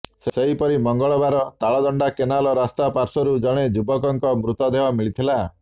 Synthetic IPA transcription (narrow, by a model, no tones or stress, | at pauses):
sseɦipɔɾimɔŋɡɔɭɔbaɾɔt̪aɭɔd̪ɔɳɖakenalɔɾast̪apaɾsɔɾud͡ʒɔɽ̃ed͡ʒubɔkɔŋkɔmɾut̪ɔd̪eɦɔmiɭit̪ʰila